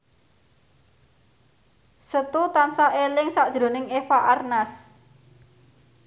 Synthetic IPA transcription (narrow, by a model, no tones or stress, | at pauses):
sət̪ut̪ansahelɪŋsaʔd̥ʒ̥ɾo̤nɪŋefaʔarnas